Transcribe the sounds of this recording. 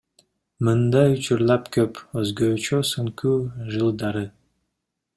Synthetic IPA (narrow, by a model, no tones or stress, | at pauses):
mɯnd̪ɑjut͡ʃuɾlˠɑpkøpøzɡøːt͡ʃøsɯŋkuːʒɯlˠd̪ɑɾɯ